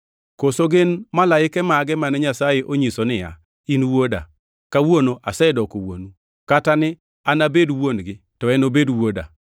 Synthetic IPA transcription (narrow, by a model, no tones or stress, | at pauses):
kosoɡɪnmalaɪkɛmaɡɛmanɛɲasajeʔoɲisonɪja̰ | inwoda̰ | kawonoʔasɛdɔkowo̰nu | katanɪ | anabedwonɡɪ | tɔɛnobedwoda̰